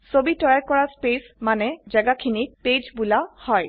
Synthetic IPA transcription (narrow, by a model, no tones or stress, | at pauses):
sobitɔjaɹkɔɹaspesmanɛzɛɡakʰiniped͡ʒbulahɔj